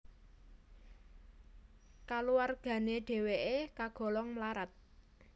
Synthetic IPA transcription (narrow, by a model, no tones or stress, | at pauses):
kaluwarɡ̥ä̤neɖ̥e̤weʔekaɡ̥ɔ̤lɔŋmlaɾat̪̚